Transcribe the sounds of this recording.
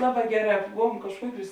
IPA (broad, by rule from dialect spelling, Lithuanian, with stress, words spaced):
ˈlˠɑːˌbɑː ˈɡʲæːˌrɑː ˈboːʋuɔm kɐʃˈkuɔˌkʲuːs